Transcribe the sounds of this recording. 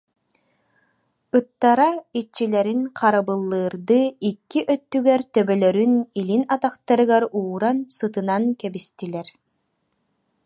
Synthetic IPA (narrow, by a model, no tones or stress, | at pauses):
ɯt̪ːaɾait͡ɕːilɛɾinqaɾabɯlˠːɯːɾd̪ɯikːiʔœt̪ːyɡɛɾt̪œbœlœɾynilinat̪aqt̪aɾɯɡaɾuːɾansɯt̪ɯnankɛbist̪ilɛɾ